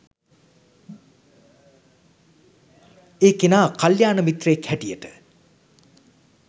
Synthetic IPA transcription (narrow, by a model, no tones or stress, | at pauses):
eːkenaːkaljaːnəmit̪reekhɛʈijəʈə